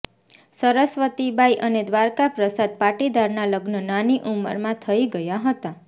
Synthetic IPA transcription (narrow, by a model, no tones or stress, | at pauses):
səɾəsʋət̪ibʱaiʔəned̪ʋaɾkapɾəsad̪̚paʈid̪aɾnaləɡnənaniʔumə̰ɾmãt̪ʰəiɡəjaɦət̪a